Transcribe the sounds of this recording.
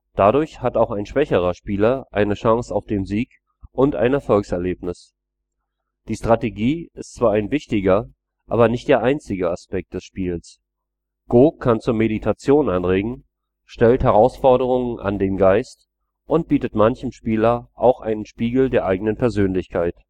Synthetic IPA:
d̥adʊɐçhataʊxaɪnʃv̥ɛçəʁ̞ɐʃpiːlɐʔaɪnəʃaŋsaʊfd̥eːmziːk | ʔʊnta̰ɪnɛɐfɔlksɛɐleːpnɪs | d̥iːʃtʁ̥ateɡiːɪstt͡sv̥aːaɪnvɪçtɪɡɐ | ʔaːbɐnɪçtd̥eːɐʔaɪnt͡sɪɡəaspɛk̚t̚d̥ɛsʃpiːls | ɡ̥oːkʰant͡suːɐmeditʰat͡sjoːnʔanʁeːɡŋ̩ | ʃtɛlthɛʁ̞aʊsfɔɐɾəʁ̞ʊŋənʔa̰ndeːmɡaɪst | ʔʊnt̚b̥iːtətmançəm̩ʃpiːlɐʔaʊxʔa̰ɪnənʃpiːɡl̩deːɐʔaɪɡənənpʰɛɐzøːnlɪçkʰaɪt

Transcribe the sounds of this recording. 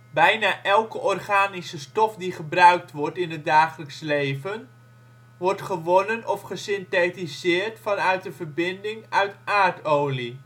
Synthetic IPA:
bɛjnaːʔɛlˠkəʔɔrχaːnisəstɔfdiχəbrœɥk̚tʋɔɹtɪnət̚daːχələkslejvən | ʋɔɹtχəʋɔnənʔɔfχəsɪntetizɪːɹtfɑnœɥt̚dəvəɹbɪndɪŋœɥtʔaːɹtowli

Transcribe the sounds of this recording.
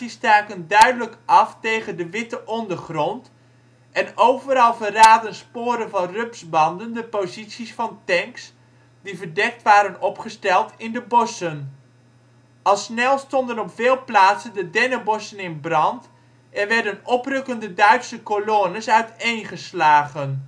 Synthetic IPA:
istaːkəndœɥdələkɑftejχəndəʋɪtəʔɔndərχrɔnt | ʔɛnowvəɾɑlˠvəraːdənspoːɾənvɑnrɵpsbɑndəndəpozitsisfɑntɛŋks | divərdɛk̚tʋaːɾənɔpχəstɛlˠtɪndəbɔsən | ɑlˠsnɛlˠstɔndənɔpfɪːlˠplaːtsəndədɛnəbɔsənɪnbrɑnt | ʔɛnʋɛɹdənɔprɵkəndədœɥtsəkolonəsœɥtejnχəslaːχən

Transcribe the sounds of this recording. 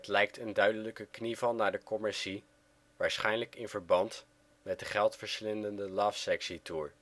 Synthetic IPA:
tlɛjk̚tʰəndœɥdələkəknivɑlnːaːɹdəkɔmɪɹsi | ʋaːɹsχɛjnləkɪnv̥əɹbɑnt | mɛt̚dəχɛlˠtfəɹslɪndəndəlɑːfsɛksituːɹ

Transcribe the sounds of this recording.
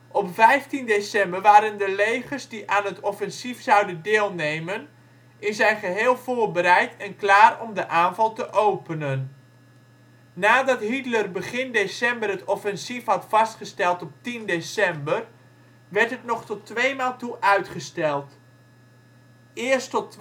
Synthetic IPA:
ʔɔpvɛjftindesɛmbəɹʋaːɾəndəlejχərzdiʔaːnɦətɔfɛnsifsɑwdəndɪːlˠnejmən | ɪnzɛjnχəɦeːlˠvʊːɹbəɾɛjtɛnklaːrɔmdəʔaːnvɑlˠtəʔowpənən | aːdɑtɦitlərbəχɪndesɛmbərɦətɔfɛnsifɦɑtfɑstχəstɛlˠtɔp̚tindesɛmbər | ʋɛɹtɦətnɔχtɔtʋejmaːlˠtuʔœɥtχəstɛlˠt | ɪːɹstɔt

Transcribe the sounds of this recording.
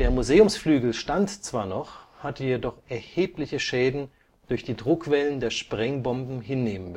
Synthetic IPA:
d̥eːɐmuzeːʊmsflyːɡl̩ʃtantt͡sv̥aːɐnɔχhatəjedɔχʔɛɐheːplɪçəʃɛːdn̩ | d̥ʊɐçd̥iːdʁʊkv̥ɛləndeːɐʃpʁ̥ɛŋbɔmbm̩ɦɪnːeːmən

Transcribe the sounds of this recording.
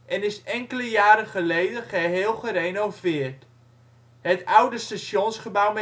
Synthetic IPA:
ʔɛnɪsɛŋkələjaːɾənχəlejdənχəɦeːlˠχəɾenovɪərt | hətawdəstasjonsχəbawmɛ

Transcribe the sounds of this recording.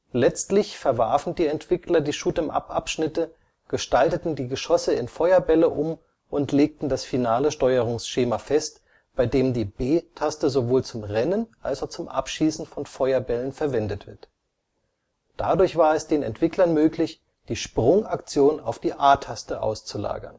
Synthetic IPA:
lɛt͡stlɪçfɛɐva̰ɐfn̩diːɛntv̥ɪklɐdiːʃuːtəmʔa̰pʔa̰pʃnɪtə | ɡ̥əʃtaltətn̩diːɡəʃɔsəɪnfɔʏɐbɛləʔʊm | ʔʊntleːk̚tn̩dasfinaːləʃtɔʏəʁʊŋsʃeːmafɛst | b̥aɪdeːmdiːbeːtʰastəzovoːlt͡sʊmʁɛnənʔalsaʊt͡sʊmʔa̰pʃiːsn̩fɔnfɔʏɐbɛlənfɛɐvɛndətv̥ɪɐt | d̥adʊɐçv̥aːɐɛsd̥eːnɛ̰ntv̥ɪklɐnmøːklɪç | d̥iːʃpʁ̥ʊŋʔakt͡sjoːnaʊfd̥iːʔaːtʰastəʔa̰ʊst͡sula̰ːɡɐ̰n

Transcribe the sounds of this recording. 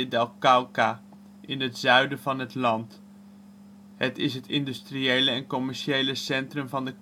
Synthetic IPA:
ədɛlˠkawka | ʔɪnɦətz̥œɥdəvɑnɦətlɑnt | hətɪsɦətɪndystriejləɛnkɔmɛɹʃejləsɛntrəmvɑndək

